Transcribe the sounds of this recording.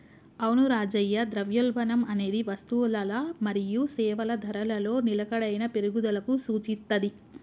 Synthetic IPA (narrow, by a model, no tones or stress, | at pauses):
ɐwnuɾaːd͡ʒɐjːɐd̪ɾɐʋjɐlbʱɐnɐmɐne̞ːd̪iʋɐst̪uʋlɐlɐmɐɾijusɛːʋɐlɐd̪ʱɐɾɐlɐlo̞ːnilɐkɐɽɐjnɐpeɾuɡud̪ɐlɐkusuːt͡ʃit̪ːɐd̪i